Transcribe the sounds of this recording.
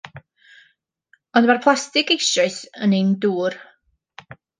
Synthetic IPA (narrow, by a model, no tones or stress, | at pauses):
ɔndmarpʰlˠastɪkejsrɔɨsənejnduːr